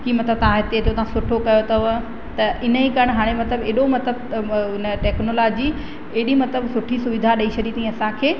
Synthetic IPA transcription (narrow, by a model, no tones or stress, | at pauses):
kiːmɐt̪ləb̚t̪ɐʋ̤ãɦɪt̪et̪ʰot̪ɐʋ̤ãsʊʈʰokɐjot̪ɐʋ | t̪ɐʔɪnəikɐəɽ̃ɦaːɽ̃emɐt̪ləbeːɗomɐt̪ləb̚ʊnəʈɛːknolaːd͡ʑi | eɦɗimɐt̪ləbsʊʈʰisʊʋɪd̪ʱaɗɐiʃʰɐɗiːt̪ĩɐsãkʰeː